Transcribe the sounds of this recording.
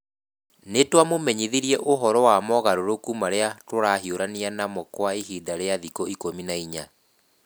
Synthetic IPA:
netwamomɛɲiðiɾiɛʔoɦɔɾɔwamɔɣaɾoɾokumaɾeatoɾaɦioɾanianamɔkwaiɦidaɾeaðikɔikominaiɲa

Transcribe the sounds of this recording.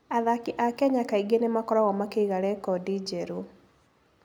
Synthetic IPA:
aðakiʔakɛɲakaiɡenemakɔɾaɣɔmakeiɣaɾɛkɔdid͡ʒɛɾu

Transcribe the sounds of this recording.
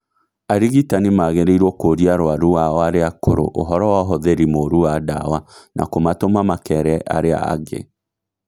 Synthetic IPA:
aɾiɣitanimaːɣeɾeiɾwɔkoɾiaɾoaɾuaɔaɾeakoɾo̰ʔoɦɔɾɔwaɦoðeɾimoɾuwada̰wanʔa̰komatomamakɛɾɛʔa̰ɾea̰ːɣḛ

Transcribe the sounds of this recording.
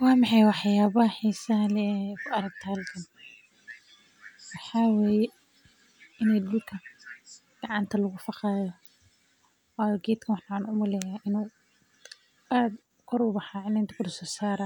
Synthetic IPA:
wɑːmɑħɑjwɑħjaːβɐɦɐħiːsɐlɛɛkʰʊɐɾɐɡ̚t̪ʰaːlkʰɐn | wɑħaːweːjɛ | ɪnɛjd̪ʊlkʰɐ | ɡ̥ɑʕɑnt̪ʰɐlɐɣʊfɑqɑːjɔ | ɔːjɡɛːd̪kʰɐwɑħnʕnʊmʊlɛjaːʔɪnuː | ʔaːd̪ | kʰɔɾʊbɑħaːʕɪnaɪnt̪ʰɪ̥kʰʊd̪ʊsɔːsaːɾa

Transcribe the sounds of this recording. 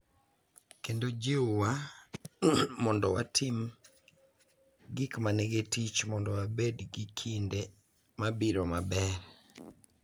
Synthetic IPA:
kendod͡ʒɪʊwa | mɔndɔwa̰tʰim | ɡikmaneɡetit͡ʃmɔndɔwabedɡikʰinde | mabiɾomabɛɾ

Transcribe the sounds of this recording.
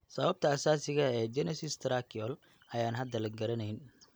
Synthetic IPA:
sɐβɐb̚t̪ʰɐːsaːsɪɣɐɛːd͡ʒɛnɐsɪst̪ɾakʰɪɔl | ɐjaːnɦɐd̪ɐlɐɡɐɾɐnɐjn

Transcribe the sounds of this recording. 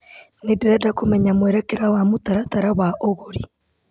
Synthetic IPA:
nediɾadakomɛɲamweɾekeɾawamotaɾataɾawaʔoɣoɾi

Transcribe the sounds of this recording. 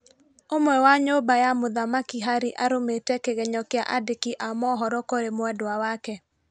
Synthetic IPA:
omwɛwaɲobajamoðamakiɦaɾiʔaɾometɛkeɣɛɲɔkea̰ʔadekiʔamɔɦɔɾɔkoɾemwɛdwawakɛ

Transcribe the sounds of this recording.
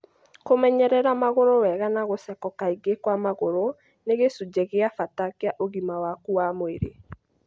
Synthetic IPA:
komɛɲɛɾɛɾamaɣoɾowɛɣanaɣosɛkɔkaiɡekwamaɣoɾo | neɣesud͡ʒɛɣeafatakeaʔoɣimawakuamoeɾe

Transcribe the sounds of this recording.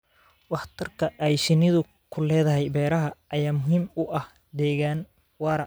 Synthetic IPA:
wɑħt̪ʰɐrkʰɐʔɛjʃɪnɪðʊ | kʰʊlɛːðɐɦɛjbɛːɾɐɦɐːjaːmʊɦiːmʊʔɐh | d̪ɛːɣaːn | wɑːɾɐ

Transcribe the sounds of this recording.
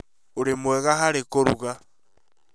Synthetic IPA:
oɾemwɛɣaɦaɾekoɾuɣa

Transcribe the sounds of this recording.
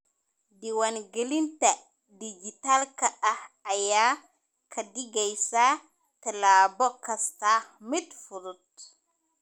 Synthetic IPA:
diwanɡəlinta | did͡ʒitalkaahaja | kʰadiɡajsa | tɛlaːbɔkːastaxmitfuɾut̚

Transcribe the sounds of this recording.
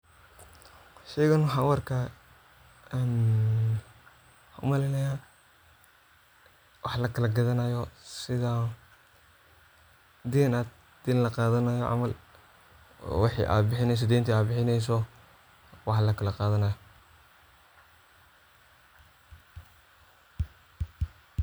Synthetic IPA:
ʃɛːɣɐnwɑħɑːwɐrkʰɐ | n | hʊ̰mɐlɪnɐjaː | wʔɑħlɐkʰɐlɐɡɐðɐnɐjɔsɪða | d̪iːnaːd̪̚ | d̪̥ɪnlɐqɑːðɐnɐjɔʕʔɑ̰mɐl | wɑħḭːʔa̰ːbɪħɪnɛjs̬ɔd̪ɛːnt̪ʰiaːbɪħɪnɛjs̬ɔ | wɑħlɐkʰɐlɐqɑːðɐnɐjɔ

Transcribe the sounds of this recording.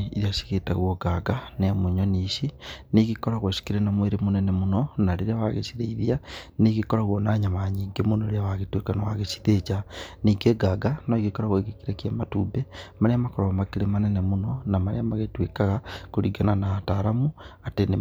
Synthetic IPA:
iðiasi̥ɣeta̰ɣwoɡaɡanemuɲoniʃineɣikoɾaɣweʃi̥kiɾenamweɾemonɛnɛmunɔnaɾeɾeawaɣḛsiðeiðianeɣikoɾaɣwonaɲamaɲiːŋɡemonoɾeawaɣetwekanawaɣesi̥ðet͡ʃaniːɡeɡaɡanoiɣikoɾaɣweɣekiɾekiamatṵːbemaɾeamakoɾomakeɾemanɛnemunɔnamaɾḛamaɣetwekaɣakoɾiɡananataɾamuatene

